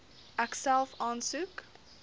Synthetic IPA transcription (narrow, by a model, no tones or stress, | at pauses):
ʔæksælˠfɑːnsʉk